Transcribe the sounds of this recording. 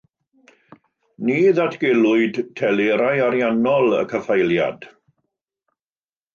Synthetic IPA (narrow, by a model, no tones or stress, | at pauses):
niːðatʰɡ̥ɛlˠʊɨdtʰɛleɾajaɾjanɔlˠə̰kʰəfajlˠja̰d̥